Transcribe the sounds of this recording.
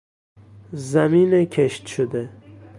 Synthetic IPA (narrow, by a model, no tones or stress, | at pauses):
zæmiːnekʰeʃt̪ʃod̪e